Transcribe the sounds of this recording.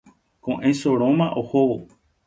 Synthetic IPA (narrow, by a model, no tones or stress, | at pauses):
kõʔẽsoɾõmãʔohowo